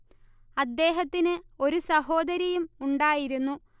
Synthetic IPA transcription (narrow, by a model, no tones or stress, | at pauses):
ɐd̪ːe̞ːɦɐt̪ːinɨo̞ɾusɐho̞ːd̪ɐɾjɐjumuɳɖaːjiɾunːu